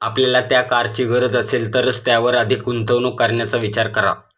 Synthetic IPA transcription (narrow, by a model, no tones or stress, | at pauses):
apljalat̪jakaɾt͡ɕiɡəɾəd͡zəselt̪əɾəst̪jaʋəɾəd̪ʱikunt̪ʰəʋnukːəɾɳjat͡saʋit͡ɕaɾkəɾa̰